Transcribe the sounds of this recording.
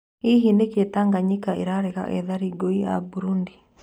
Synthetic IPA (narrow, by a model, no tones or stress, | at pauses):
iɦineketaŋɡaɲikaeɾaɾeka̰ʔɛ̰ðaɾiɡoia̰buɾundi